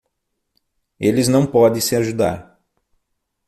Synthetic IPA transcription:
elɪznɐ̃w̃pɔd̪ẽj̃sɪaʒud̪a̰ɾ

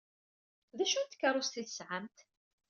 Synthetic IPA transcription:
ðæʃunt̪ːkːəɾˤʊst̪iθsʕamt̪

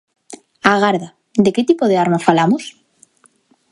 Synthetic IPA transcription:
aɣ̞aɾða | d̪eket̪ipoðeaɾmafalamos

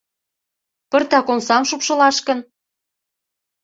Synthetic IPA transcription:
pə̆rt̪ɑkonsɑmʃupʃɤ̆lɑʃkə̆n

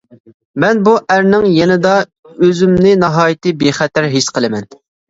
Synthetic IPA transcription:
mɛnbuʔæɾnɪŋjɛnɪd̪ɑ | øzymnɪnɑɦɑːjɪt̪ɨbeχɛt̪æɾɦet͡ʃqʰəlˠɨmɛn

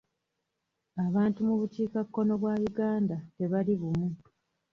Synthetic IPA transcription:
aβaːntumuβutiːkakːo̞no̞βwaːβiɡaːndate̞βaliβumu

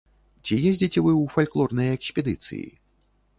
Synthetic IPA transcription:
t͡sʲijezʲd͡zʲit͡sʲɛvɨwfalʲklˠɔrnɐjɛksʲpʲɛd̪ɨt̪sɨ̰jḭ

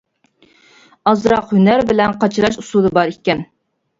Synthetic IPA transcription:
ɑzɾɑqhynæɾbɪlɛnqʰɑt͡ʃʰɨɾɑʃusud̪ɨbɑɾiɛn

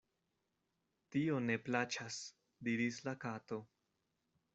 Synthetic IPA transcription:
tio̞ne̞plat͡ʃas | diɾislakato̞

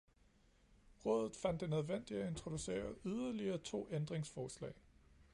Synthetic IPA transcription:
ʁɔ̽ːð̞ˠð̩ˠfæn̰d̥enøð̞ˠʋen̰d̥iæe̝nt͡sʰʁo̝d̥use̝̰ːɐyðˠɐliɐːt͡sʰo̝̰ːend̥ʁeŋsfɒːslɛ̰ɪ

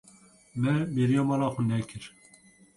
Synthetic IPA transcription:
mɛmeɾijɑːmɑːlɑːxʷunɛkʰɨɾ

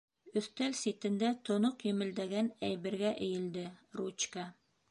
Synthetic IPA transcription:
ɵ̆θt̪ælsit̪ɘ̆nd̪æt̪ŏnoqjɘ̆mɘ̆ld̪æɡænæjbɘ̆ɾɡæʔɘ̆jɘ̆ld̪ɘrut͡ɕka

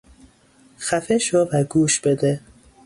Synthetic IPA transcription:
xæfeʃobæɡuːʃb̥ed̪e

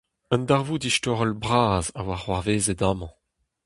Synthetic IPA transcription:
ə̃ndaʁvudiʃtɔʁɔlbʁaːza̰waʁwaʁveːzɛdaːmɑ̃

